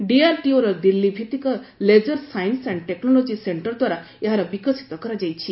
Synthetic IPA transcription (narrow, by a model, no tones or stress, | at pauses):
ɖiaɾʈioɾɔd̪ilːibʱit̪ikɔled͡ʒɔɾsajinsaɳɖʈeknɔlod͡ʒiseɳʈɔɾd̪waɾa | eɦaɾɔbikɔsi̥t̪ɔkɔɾad͡ʒajt͡ʃʰi